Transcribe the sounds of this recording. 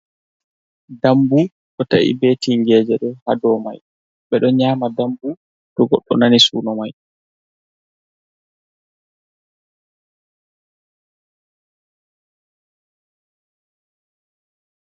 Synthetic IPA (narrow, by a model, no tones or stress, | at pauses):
dambu | ɗɔta̰ʔḭbeːtiŋɡɛːd͡ʒɛɗɛhadɔːmaj | ɓɛɗɔɲaːmadambu | ɗɔɡɔ̰ɗːɔ̰nanisuːnɔmaj